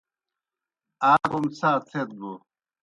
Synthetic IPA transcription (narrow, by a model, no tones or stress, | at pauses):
aːkumt͡sʰaːt͡s̪ʰet̪̚ɡu